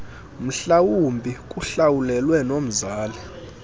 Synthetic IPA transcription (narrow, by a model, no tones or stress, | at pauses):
m̩ɬawumbʱikʼuɬawulɛlwɛnom̩zaːlɛ